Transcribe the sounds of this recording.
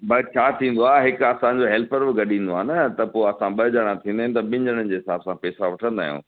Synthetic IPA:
bɐt͡ɕʰaːt̪ʰĩːn̆d̪oaːɦɪkɐsãɲd͡ʑoɦɛːlpəɾbɪɡɐɗĩːn̆d̪oaːnɐt̪ɐpoːɐsãɓɐd͡ʑaɽ̃ãt̪ʰĩnd̪aːɦɪ̃n̆t̪ɐɓɪ̃ɲd͡ʑəɽ̃ənd͡ʑeːɦɪsaːbsãpɛːsaʋɐʈʰə̃nd̪a̰ːɦijṵ̃ː

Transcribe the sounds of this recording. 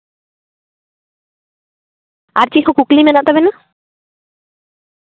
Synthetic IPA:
a̰ɾt͡ɕiɦokuklimɛnaʔt̪ɔbena

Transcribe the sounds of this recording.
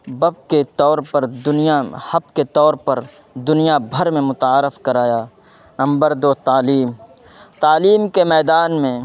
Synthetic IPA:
bɐb̚ket̪ɔːɾpɐɾd̪ʊnijahɐb̚ket̪ɔːɾpɐɾ | d̪ʊnijabʱɐɾmẽmʊt̪aːɾɪfkɐɾaːjaː | nɐ̃mbəɾd̪oːt̪aːliːm | t̪aːliːmkemɛːd̪aːnmẽ

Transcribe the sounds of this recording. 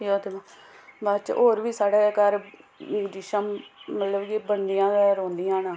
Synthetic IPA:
joːt̪emãː | bat͡ʃɦoːɾʋiːsaːɽɛːkəɾ | d͡ʒɪʃəmːət̪ləbkibənd̪ijãːdɛːɾõːnd̪ijãːnãː

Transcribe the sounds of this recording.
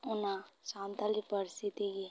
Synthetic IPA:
ʊnãsãːnt̪alikpəɾsit̪iɡi

